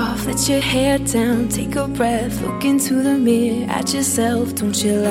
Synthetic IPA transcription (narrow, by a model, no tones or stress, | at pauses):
ɑfðɨt͡ʃə˞hɛɹdãʊ̃ntʰeɪkəbɹɛθlʊ̰kɪ̃ntʰuðɨmɪɹɨ̰t͡ʃəsɛlˠfd̥õʊ̃nt͡ʃəl